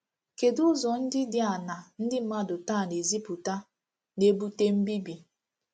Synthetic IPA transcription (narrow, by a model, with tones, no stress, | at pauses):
ke˨dʊ˦zɔ˨n̩˦dɪ˦dɪ˦a˨na˨n̩˦dɪ˦m̩˦ma˦dʊ˨ta˦˨ne˨zi˦pu˨ta˦ | ne˦bu˦te˦m̩˦bi˦bi˨